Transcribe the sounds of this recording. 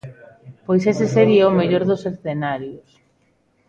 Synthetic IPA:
pojseseseɾiɐʊmeʎoɾðʊsesθenaɾjʊs

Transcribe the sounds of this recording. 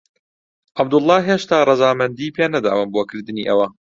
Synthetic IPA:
ʔɐbd̪ʊlˠˤːɑːɦeːʃt̪aːrˤɨzaːmɐnd̪iːpeːnɐd̪a̰ːwɨnboːkɨɾd̪ɨniːʔɐwɐ

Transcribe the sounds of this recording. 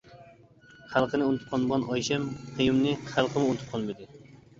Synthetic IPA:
χalˠqʰənɪunɪt̪ʰɪ̥p̚qʰɑlnbʁɑnɑjʃɛmqʰɨjumnɪχalˠqʰəmʊʊnɪt̪ʰɪ̥p̚qʰɑlˠmɪd̪ɪ

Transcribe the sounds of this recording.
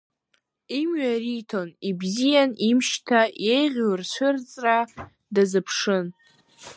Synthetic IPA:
imɥaritʰo̞nibzijanimʃtʰajejʁʲlrt͡ɕʷʰʊrt͡sʼra | dazɨpʰʂɨn

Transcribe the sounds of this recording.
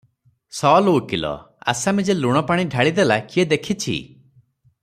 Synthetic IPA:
sɔlokilɔ̰ | a̰samid͡ʒeluɽ̃ɔpaɽ̃iɖʱaɭid̪elakied̪ekʰit͡ʃʰḭ

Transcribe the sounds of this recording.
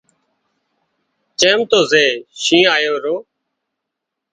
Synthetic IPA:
t͡ʃẽːmt̪oːzeːʃĩːaːjoːɾoː

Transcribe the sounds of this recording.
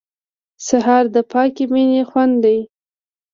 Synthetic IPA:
saɦɑɾd̪əpɑkeminexwand̪d̪aj

